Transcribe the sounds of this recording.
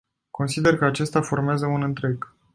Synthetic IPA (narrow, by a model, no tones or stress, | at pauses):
ko̞nsid̪e̞rkəat͡ʃe̞st̪ʲafo̞rmeazəunɨnt̪ɾe̞ɡ